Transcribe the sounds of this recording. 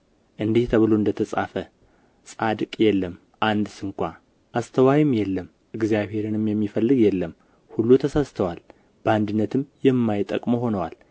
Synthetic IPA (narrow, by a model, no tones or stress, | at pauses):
ʔɨnd̪iht̪ʰəβɨloɨnd̪ət̪ʰəsʼafə | sʼad̪kʼjɛlːəm | ʔand̪sɨŋkʷa | ʔast̪ʰəwajɪmjɛlːəm | ʔɨɡzijaβhe̞ɾɨnɨmjɛmːifəlːɨɡjɛlːəm | hulːut̪ʰəsast̪ʰəwal | b̥əand̪ɨnːət̪ʰɨmjɛmːajɪt̪ʼːə̰kʼmoɦo̞nəwal